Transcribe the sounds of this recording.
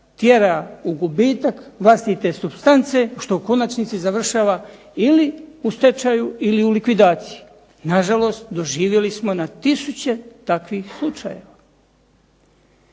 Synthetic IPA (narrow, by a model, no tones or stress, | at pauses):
t̪jeɾauɡubiːt̪akʋlˠast̪it̪e̞subst̪ant̪se̞ʃt̪o̞ko̞nat͡ʃnit̪sizaʋr̩ʃaːʋa | iliust̪et͡ʃajuiliulikʋid̪aːt̪siji | naʒalo̞ːst̪d̪o̞ʒiːʋje̞lismo̞nat̪isut͡ɕe̞t̪akʋixslˠut͡ʃaje̞ʋa